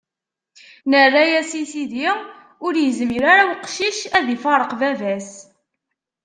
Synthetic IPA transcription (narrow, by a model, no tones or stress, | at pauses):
nərːæjæsisiði | ʊɾjəzmiɾaɾawqʃiʃæðifɑɾˤəqvævæs